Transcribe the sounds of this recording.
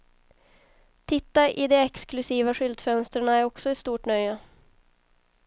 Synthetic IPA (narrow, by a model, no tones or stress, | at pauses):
t̪ʰɪt̪ːaʔɪd̪ɛɛksklɵsiːvaɧʏld̪fœnst̪ɾaɳaæɾɔksɔɪst̪uːʈɳœjːa